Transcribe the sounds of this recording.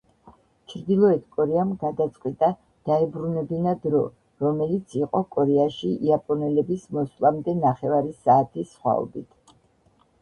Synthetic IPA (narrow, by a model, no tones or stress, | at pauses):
t͡ʃʰɾd̪ilˠɔɛt̪ʰkʼɔɾɛamɡad̪at̪sʼqʼwit̪ʼa | d̪̥aɛbɾunɛbinad̪ɾɔ | ɾɔmɛlit̪sʰiqʼɔkʼɔɾɛaʃiʔiapʼɔnɛlɛbismɔslˠamd̪ɛnaχɛvaɾisaːt̪ʰisχwa̰ɔ̰bit̪ʰ